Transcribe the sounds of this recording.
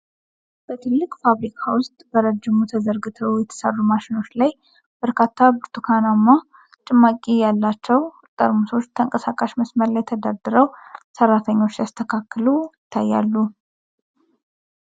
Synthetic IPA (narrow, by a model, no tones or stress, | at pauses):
b̥ət̪ʰɨlːɨkʼfaβɾikʰawʊst̪ʼbəɾəd͡ʒːɪmut̪ʰəzəɾɡɨt̪ʰəwjɛt̪ʰə̥sə̰rːumaʃɪno̞t͡ʃːlaj | b̥əɾkʰat̪ʰːabɨɾt̪ʰukʰanamːa | t͡ʃʼɨmːakʼijalːat͡ʃːɛw | t̪ʼə̰ɾmuso̞t͡ʃːt̪ʰəŋkʼəsakʼaʃməsməɾlajːɛt̪ʰəd̪ad̪ɨɾəwsərːat̪ʰəɲːo̞t͡ʃːast̪ʰəkʰakːɨlujɪt̪ʰːajːa̰lːu